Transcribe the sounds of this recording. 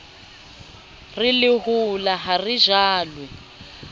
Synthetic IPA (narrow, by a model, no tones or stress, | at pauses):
rilɪɦulaɦariʒaːlwɛ